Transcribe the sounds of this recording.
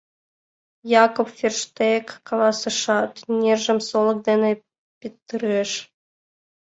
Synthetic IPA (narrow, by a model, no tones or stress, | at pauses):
jɑkopfʲerʃt̪ekːɑlˠɑsɤ̆ʃɑt̪nʲerʒə̆msolˠɤ̆k̚d̪enĕ | pʲit̪ːɨɾeʃ